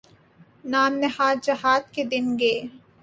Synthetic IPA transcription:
naːmnɪɦaːd̪̚d͡ʒɐɦaːd̪ked̪ɪnɡeː

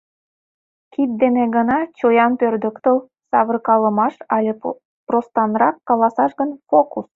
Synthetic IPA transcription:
kit̪̚d̪eneɡənɑt͡ɕojɑnpørd̪ə̆kt̪əl | sɑβə̆rkɑlə̆mɑʃɑlʲe | prost̪ɑnrɑkːɑlˠɑsɑʃɡənfokus

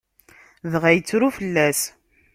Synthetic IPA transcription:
ðʁæjət͡sːɾufəlːæs

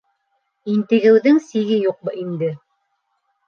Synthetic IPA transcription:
int̪ɘ̆ɡɘ̆wðɘŋsiɡɘjuq̚bɤʔind̪ɘ

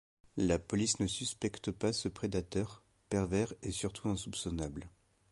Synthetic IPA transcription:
lapɔlisnəsyspɛkt̪pasəpχed̪at̪œʁ | pɛʁvɛʁesyʁt̪ʰuɛ̃supsɔnabl

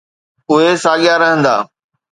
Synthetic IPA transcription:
ʊɦesaːɠijaɾɐɦə̃nd̪a̰ː

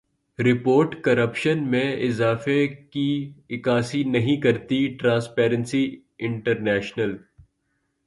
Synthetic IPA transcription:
ɾɪpoːɾʈkɐɾəpʃənmẽɪzaːfekiɪkaːsinɐɦĩkɐɾt̪iʈɾãːspɛːɾə̃nsi | ɪ̃ɳʈəɾnɛːʃnəl

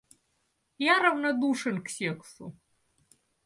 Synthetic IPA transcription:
jaɾɐvnɐd̪uʂɨnksʲeksʊ̰

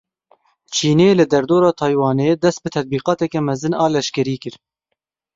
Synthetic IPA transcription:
t͡ʃʰiːneːlɨd̪ɛɾd̪oːɾɑːt̪ʰɑːjwɑːneːd̪ɛst̪̚bɨt̪ʰɛd̪̚biːqɑːt̪ɛkɛmɛzɨnɑːlɛʃkɛɾiːkɨɾ

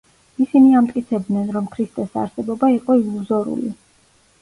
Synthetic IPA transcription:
isiniamt̪ʼkʼit̪sʰɛbd̪nɛnɾɔmkʰɾist̪ʼɛsa̰ɾsɛbɔbaiqʼɔilˠuzɔɾṵlḭ

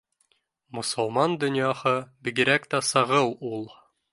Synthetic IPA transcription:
mŏsŏlˠmɑnd̪ɵ̆nʲjɑhɤbiɡɘ̆ɾækt̪æsɤ̆ʁɤwulˠ

